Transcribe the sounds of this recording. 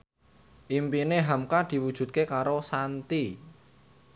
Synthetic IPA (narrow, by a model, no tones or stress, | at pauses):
ʔimpineɦamkad̪̥i̤wud̥ʒ̥ṳt̪̚kekaɾosant̪i